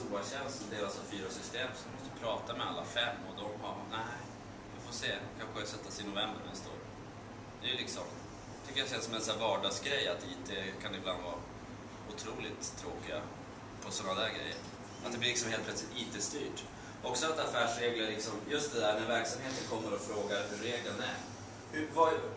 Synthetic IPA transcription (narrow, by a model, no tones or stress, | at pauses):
ubɑɕɛnst̪ɔmd̪eːɾasavfyːɾasʏst̪eːmsɔɪmɔst̪əpʰɾɑːt̪amɛa̰lːa̰fɛmːɔd̪ɔmhanæ | vɪfoːseːkʰanɧəsɛt̪ːasɪnʊvɛmbəɾmɛnst̪o̰ːɾ | d̪ɛjʉlɪksɔm | t̪ʰʏkːəjaɕɛnsɔmɛnsæːɾvɑːɖɑːɡsɡɾɛjːat̪iːt̪ʰɛkʰanɪbland̪vɑː | ʊt̪ʰɾuːlɪt̪ʰːɾoːkɪɡa̰ | pʰɔsɔnːad̪æːɾɡɾɛ̰jːə̰ɾ | at̪d̪ɛblɪlɪksɔmheːlpʰlœt̪slɪt̪iːt̪əst̪yːʈ | ɔksɔat̪afæːʂɾeːɡlɪalɪksɔmjɵst̪̚d̪ɛd̪æːɾnæɾvæɾksamheːt̪ənkʰɔmːəɾɔfɾoːɡaɾhɵɾːeːɡlənæ̰ɾ | hɵva